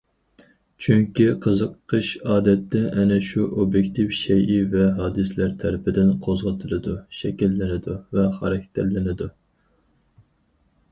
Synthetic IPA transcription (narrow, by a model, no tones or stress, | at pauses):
t͡ʃʰyŋkʲiqʰəzəqʰːəʃɑːd̪ɛt̪ʰːɛʔɛnɛʃuʔobjekʲt̪ʰifʃɛjivɛɦɑːd̪ɨslæɾt̪ʰæɾɪpɪd̪ɪnqʰozʁɑt̪ʰɨlˠɨd̪uʃɛkʲilːɪnɪd̪uvɛχɑɾɛkʲt̪ʰæɾlɪnɪd̪u